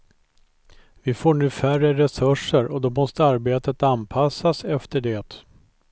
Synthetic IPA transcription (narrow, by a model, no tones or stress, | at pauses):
vɪfoːɳʉ̟ːfærəɾɛsɵʂəɾɔd̪ɔmɔst̪əaɾbeːt̪ət̪anpʰasːasɛft̪əɖeːt̪